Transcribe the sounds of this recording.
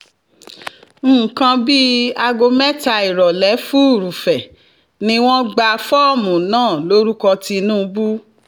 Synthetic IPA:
n̩˨kã˧bi˦a˧ɡo˧mɛ˦ta˧i˨ɾɔ˨lɛ˨˦fu˦˨ɾu˨fɛ˨ | nĩ˧w̃ɔ̃˦ɡ͡ba˧fɔ˦˨mũ˨nãː˦˨lo˨˦ɾu˦kɔ˧ti˧nũː˦bu˦

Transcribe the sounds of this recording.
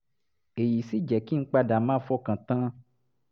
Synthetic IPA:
e˨ji˨si˦d͡ʒɛ˨ki˦ŋ̩˦k͡pa˧da˨mã˦fɔ˦kã˨t̪ã˦

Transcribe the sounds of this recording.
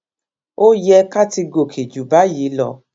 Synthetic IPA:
o˦jɛ˧ka˦ti˧ɡo˦˨kʰe˨d͡ʒu˨ba˨˦ji˨˦lɔ̰˦˧˨

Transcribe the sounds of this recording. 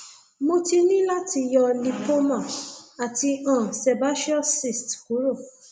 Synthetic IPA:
mo˧ti˧nĩ˦la˦ti˧jɔ˧li˧po˦mã˨a˨ti˧ã˨sɛ˨ba˨˦ʃɔ˦si˦˨stku˨˦ɾo˦˨

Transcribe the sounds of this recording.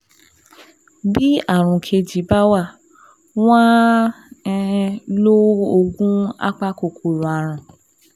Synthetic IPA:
bi˦a˦˨ɾ̃ũ˨kʰe˧d͡ʒi˨˦ba˦wa˦˨ | w̃ã˦˧ | lo˦o˧ɡũ˦a̰˦k͡pa˦ko˨kʰo˨ɾũ˨a˨ɾ̃ã˨

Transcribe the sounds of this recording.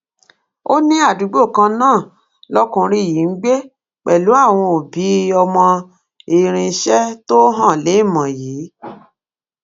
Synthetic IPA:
o˦nĩ˦a˦˨du˨˦ɡ͡bo˦˨kã˧nãː˦˨ | lɔ˦kũ˧ɾi˧˨ji˨˦n̩˦ɡ͡be˦ | k͡pɛ˨lu˨˦a˦˨w̃ɔ̃˧o˨bi˨˦ɔ˧mɔ̃˧ | e˨ɾ̃ĩ˧ʃɛ˦to˦ɦã˦˨le˨˦i˦˨mã˨jiː˨˦

